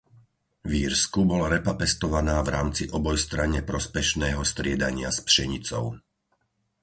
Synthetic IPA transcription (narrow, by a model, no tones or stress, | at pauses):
ʋiːɾskubɔlaɾɛpapɛst̪ɔʋanaːvɾaːmt͡siʔɔbɔjst̪ɾaɲɛpɾɔspɛʃnɛːɦɔst̪ɾɪɛd̪aɲɪaspʃɛɲit͡sɔ̰ʊ